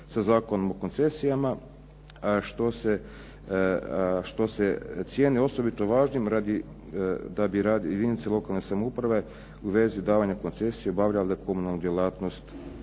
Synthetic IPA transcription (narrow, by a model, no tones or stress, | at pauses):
sazaːkonomoko̞nt̪se̞sijama | ʃt̪o̞se | ʃt̪o̞set̪sʲje̞ːnio̞so̞bit̪oʋaːʒnimɾad̪i | d̪abiɾaːd̪jed̪init̪selˠo̞kalnesamoupɾaʋe̞ | uʋe̞zid̪aːʋaɲako̞nt̪se̞sijeobaʋʎald̪ako̞munalˠnud̪jelˠaːt̪nost̪